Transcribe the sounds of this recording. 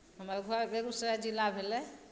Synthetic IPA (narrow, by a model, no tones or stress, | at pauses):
ɦəməɡʱabeɡusɾad͡ʒilːabʱelɛ